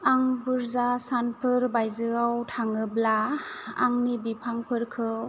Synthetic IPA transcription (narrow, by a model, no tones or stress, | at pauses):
aŋbɯɾzasanpʰɯɾbajzɯawtʰaŋɯblaa̰ŋnibipʰaŋpʰɯɾkʰɯ